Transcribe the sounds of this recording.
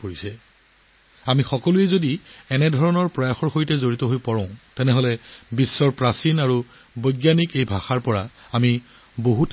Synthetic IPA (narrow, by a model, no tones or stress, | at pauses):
poɹisɛ | amixɔkɔluɛzodiɛnɛdʱɔɹɔnɔɹpɹɔjaxɔɹxoitɛzoɹitɔɦojpɔɹɔ̃ʊ̃tɛnɛɦɔlɛbisːɔɹpɹasinaɹu | bɔjɡjanikejbʱaxaɹpɔɹaami | boɦut